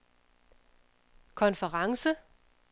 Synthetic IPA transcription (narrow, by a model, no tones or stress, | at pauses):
kʰɔ̽nfəʁɑ̈ŋsə